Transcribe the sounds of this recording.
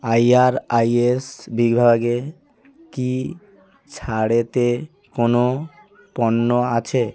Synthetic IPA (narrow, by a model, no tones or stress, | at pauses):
ajaɾajesbiɡbʱabaɡe | ki | t͡ɕʰaɽet̪e | kono | pɔnːoat͡ɕʰe